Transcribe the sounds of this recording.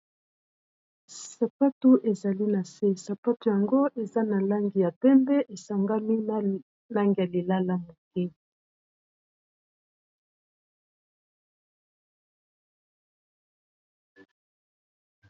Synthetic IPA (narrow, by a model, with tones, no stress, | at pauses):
sa˨pa˦tu˦ʔe˨za˨li˦na˨se˦sa˨pa˦tu˨ja˨ŋɡo˦ʔe˨za˦na˨la˦ŋɡi˨ja˨pɛ˦mbɛ˦ʔe˨sa˨ŋɡa˦mi˦ | la˦ŋɡi˨ja˨li˨la˦la˦mo˨kɛ˦